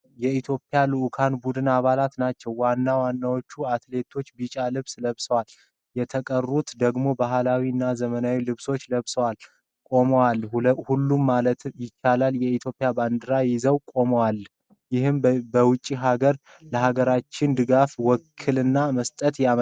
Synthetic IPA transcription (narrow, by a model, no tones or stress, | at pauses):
jɛit̪ʰjo̞pʼːjalɨʔkʰanbud̪ɨnaβalat̪nat͡ʃːɛwːanːawanːawot͡ʃːuat̪le̞t̪ʰo̞t͡ʃːbit͡ʃʼalɨβsləβsəwal | jɛt̪ʰəkʼərːut̪d̪əɡmo̞baɦlawiɨnːazəmənawilɨβso̞t͡ʃːləβsəwal | kʼo̞məwalhulːumːalət̪jɪt͡ʃːalaljɛit̪ʰjo̞pʼɪjaband̪ɨɾajɪzəwkʼo̞məwal | jɪhɨmbəwʊt͡ʃʼːiɦaɡəɾ | ləhaɡəɾat͡ʃːɪnd̪ɨɡafwɔkʰːɨlɨnːaməst̪ʼət̪jam